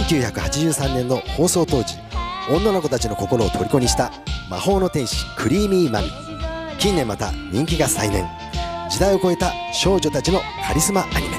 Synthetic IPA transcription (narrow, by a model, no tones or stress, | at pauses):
seŋkʲɨːçakɯ̟hat͡ɕiʑɨːsãnːẽ̞nːo̞ho̞ːso̞ːt̪o̞ːd͡ʑiõ̞nːanoko̞t̪at͡ɕino̞ko̞ko̞ɾo̞ːt̪ʰo̞ɾʲiko̞ɲ̟ʲiɕi̥t̪a | ma̰ho̞ːno̞t̪ẽ̞ɰ̃ɕi̥kʰɯ̟ɾʲiːmʲiːmani | kʲĩnːẽ̞mːat̪a̰ɲ̟ĩŋkʲiɡasainẽ̞ŋ | d͡ʑid̪aio̞ko̞e̞t̪a | ɕo̞ːʑo̞t̪at͡ɕino̞ | kʰaɾʲisɨmaʔaɾʲḭma